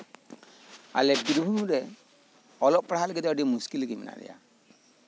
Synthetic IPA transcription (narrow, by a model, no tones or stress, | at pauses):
a̰lɛbiɾbʱumuɾɛ | ɔlɔʔpɾaɦalɛɡɛd̪ɛɔɖimuskilɡimɛna̰ʔdɛ̰ja̰